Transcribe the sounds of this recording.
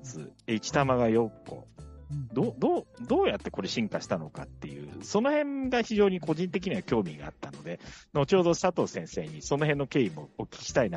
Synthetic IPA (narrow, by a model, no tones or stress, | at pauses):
t͡sɨ̰eit͡ɕi̥t̪amaɡajo̞kːo̞̰d̪oːd̪oːd̪o̞ːjat̪ːe̞ko̞ɾe̞ɕĩŋkaɕi̥t̪ano̞ka̰t̪ːe̞jɯ̟̰ːso̞no̞hẽ̞ŋɡaçiʑo̞ːɲ̟iko̞ʑĩnt̪̬e̞k̬ʲiɲ̟iakʲo̞ːmʲiɡa̰a̰t̪ːano̞d̪e̞not͡ɕo̞ːd̪o̞sat̪o̞ːsẽ̞ɰ̃se̞ːɲ̟iso̞no̞ɦẽ̞nːo̞ke̞ːimoːkʲi̥i̥t̪ain